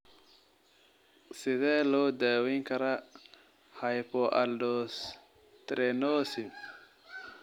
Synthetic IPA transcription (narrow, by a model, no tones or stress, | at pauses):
sɪðɛːlɔːd̪aːwɛŋkʰɐɾɐ | hɐjpɔʔɐ̰lɖɔs | t̪ɾɛnɔːsɪb